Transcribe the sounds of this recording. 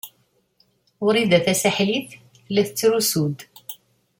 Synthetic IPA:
ʊɾiðæθæsaħliθ | lːæθət͡sːɾusud̪

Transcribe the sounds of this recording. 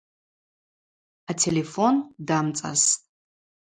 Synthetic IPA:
atʰelefondaːmt͡sʼɐ̰s

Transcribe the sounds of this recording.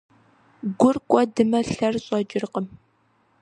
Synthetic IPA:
ɡʷʊrkʷʼɔdɨmɐɬɐrɕʼɐd͡ʒɪrqəm

